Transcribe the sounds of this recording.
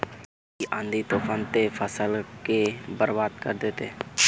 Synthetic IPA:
iʔãːnd̪it̪oːfaːnt̪efʰəsəlkebəɾbaːd̪kəɾd̪eːt̪e

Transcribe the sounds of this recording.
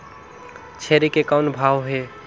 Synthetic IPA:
t͡ʃʰeɾikekawnbʱawɦe

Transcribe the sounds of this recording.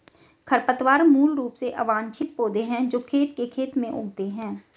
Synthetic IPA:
kʰəɾpət̪ʋaːɾmuːlɾuːpseʔɐʋaːnt͡ʃʰɪt̪̚poːd̪eɦɛ̃d͡ʒoːkʰeːt̪kekʰeːt̪mẽʔʊ̰ːɡt̪eɦɛ̃ː

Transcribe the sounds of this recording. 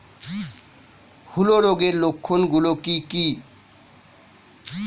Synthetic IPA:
huloɾoɡelokʰːonɡulokiki

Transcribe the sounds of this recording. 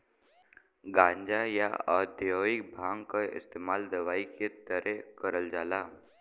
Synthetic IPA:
ɡãːɲd͡ʒaja̰ɔ̰ːd̪joːɪk̚bʱãːŋɡkaɪ̰st̪eːmaːld̪ɐʋaːiket̪əɾɛkəɾəld͡ʒaːlaː

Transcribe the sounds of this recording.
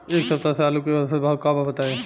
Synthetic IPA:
eːksɐb̚t̪aseaːlukesbɐɦʊt̪̚kaːbabɐt̪aːe

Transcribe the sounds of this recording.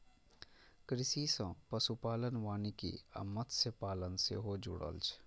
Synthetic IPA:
kɾɪsisə̃pəsupaːlənʋaːnikḭə̰mːət̪sepaːlənsḛɦod͡ʒʊ̰ɽə̰lt͡ʃʰ

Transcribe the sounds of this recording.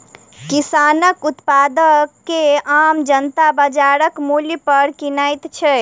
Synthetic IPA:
kisanəkut̪pad̪əkːeamd͡ʒənt̪abəd͡ʒaɾəkmuljpəɾkinajt̪t͡ʃʰɛ

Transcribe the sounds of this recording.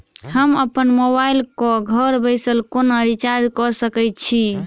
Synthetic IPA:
həməpənmoβailkɔɡʱəɾbəjsəlkonəɾit͡ʃad͡ʒkɔsəkɛjt̪̚t͡ʃʰi

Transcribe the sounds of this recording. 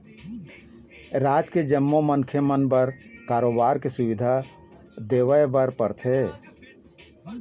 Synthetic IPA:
ɾad͡ʒked͡ʒəmːomənkʰjəmənbəɾkaɾobaɾkesubid̪ʱa | d̪eʋəebəɾpəɾt̪ʰe

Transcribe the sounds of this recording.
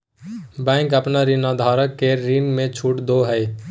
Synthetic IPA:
bɛ̃ɪŋkəpnaɾinad̪ʱaːɾəkːeɾinmẽt͡ʃʰuʈd̪oɦɛj

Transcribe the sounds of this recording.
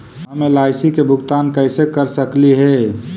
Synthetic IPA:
ɦəmelaːɪsikebʱʊɡt̪aːnkəɪsekəɾsəkliɦɛ

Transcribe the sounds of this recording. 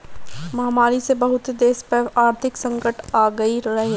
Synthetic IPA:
mɐɦmaːɾisebɐɦʊt̪d̪eːspɐɾaːɾt̪ʰɪksɐ̃ŋkəʈaːɡəiɾɐɦe

